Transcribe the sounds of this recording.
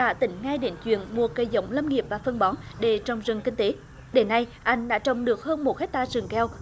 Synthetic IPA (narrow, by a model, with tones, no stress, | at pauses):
ɗa̰ː˧˥t̪ï˧˩ŋ̟ŋa˧jɗe˨˦nt͡ɕwḭ˧˨ənmu˨˩əkə˨˩jzə˨˦wŋ͡mlə˧mŋi˨˩əp̚vaː˨˩fə˧ŋɓɔ˨˦nɗe˧˩˦t͡ɕɔ˨˩wŋ͡mzɨ˨˩ŋkï˧ŋ̟t̪e˨˦ | ɗe˨˦nːa˧jʔa˧jŋ̟ɗa̰ː˧˥t͡ɕə˧˨wŋ͡mɗɨ˨˩ək̚həː˧nmo˨˩t̚he˦˥t̚t̪aː˧zɨ˨˩ŋkɛ˧w